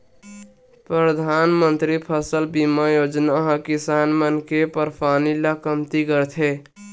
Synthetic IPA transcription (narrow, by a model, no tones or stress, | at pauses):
pɾəd̪ʱanmənt̪ɾipʰəsəlbimajod͡ʒnaɦə̃kisanmənkepəɾpʰanilakəmt̪iɡəɾt̪ʰe